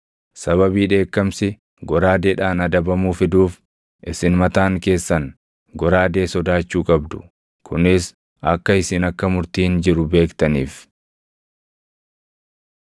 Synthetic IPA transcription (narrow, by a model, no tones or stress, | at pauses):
sɐβɐbiːᶑe̞ːkːɐmsɪ | ɡɔɾaːd̪eːᶑaːnɐd̪ɐbɐmuːfɪd̪uːf | ʔɪsɪnmɐt̪aːŋke̞ːsːɐn | ɡɔɾaːd̪e̞ːsɔd̪aːt͡ʃːuːkʼɐbd̪ʊ̥ | kʰʊnɪs | ɐkːɐɪsiːnɐkːɐmʊɾt̪iːnd͡ʒɪɾʊbe̞ːkt̪ɐniːf